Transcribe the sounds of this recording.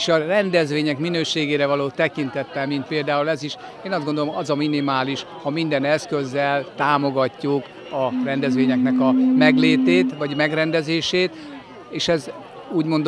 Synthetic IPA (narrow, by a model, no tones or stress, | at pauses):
ʃɒrɛnd̪ɛzʋeːɲɛkminøːʃeːɡeːɾɛvɒloːt̪ɛkint̪ɛt̪ːɛlmint̪̚peːld̪aːulɛziʃ | eːnɒzd̪ɡond̪oloɒzɒminimaːliʃ | hɒmind̪ɛnɛskø̞zːɛlt̪aːmo̞ɡɒcːuk | ɒrɛnd̪ɛzʋeːɲɛknɛkɒmɛɡleːt̪eːt̪ʋɒɟmɛɡrɛnd̪ɛzeːʃeːt̪ | eːʃɛz | uːɟmo̞nd̪